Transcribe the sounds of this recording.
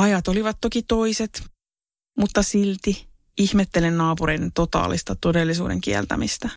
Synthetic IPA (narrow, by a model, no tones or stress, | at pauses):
ɑjɑt̪oliʋɑt̪tokit̪oiset̪ | mut̪ːɑsilt̪i | ihmet̪ːelennɑːpuɾe̞ident̪ot̪ɑ̰ːlist̪ɑt̪odelːisṵːdḛŋkiɛ̰lt̪æ̰mist̪æ